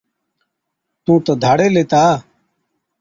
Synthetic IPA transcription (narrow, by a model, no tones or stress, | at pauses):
t̪ũːt̪õːd̪ʱaːɽeːleːt̪aː